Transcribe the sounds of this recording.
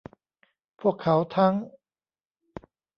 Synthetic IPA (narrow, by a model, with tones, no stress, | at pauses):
pʰu˥˩əkʰːa˩˦wt̪ʰa˦˥ŋ